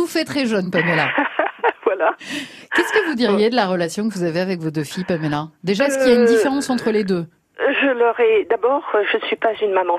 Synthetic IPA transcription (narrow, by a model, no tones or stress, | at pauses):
t̪ufɛt̪χɛʒœnpamela | vwala | kʲɛskəvud̪iʁjed̪əlaʁəlasjɔ̃kəvuzaveavɛkvod̪øfijpamelad̪eʒaɛskilaynd̪ifeʁɑ̃sɑ̃t̪χəled̪ø | ʒəlœʁɛd̪abɔːʁʒənəsɥipazynmamɑ̃